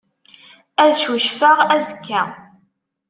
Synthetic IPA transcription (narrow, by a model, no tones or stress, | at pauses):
æðʃuʃfəʁæzəkʰːæ